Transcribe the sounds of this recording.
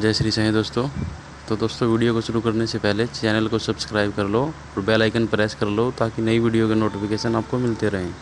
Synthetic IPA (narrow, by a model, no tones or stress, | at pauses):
d͡ʒɛːsɾisɐɦẽd̪oːst̪õ | t̪od̪oːst̪õʋiːɖijokoʃʊɾukɐɾnesepɛɦlet͡ʃɛːnəlkosɐbskɾaːɪb̚kɐɾloː | ɔːɾbɛːlaːɪkənpɾɛːskɐɾloːt̪aːkinɐiʋiːɖijokenoːʈɪfʰɪkeːʃənaːp̚komɪlt̪eɾɐɦẽː